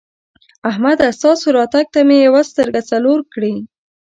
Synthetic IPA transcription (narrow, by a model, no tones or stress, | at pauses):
ahmad̪ast̪ɑsoɾɑt̪aɡ̚t̪amejawast̪əɾɡat͡saloɾkɽi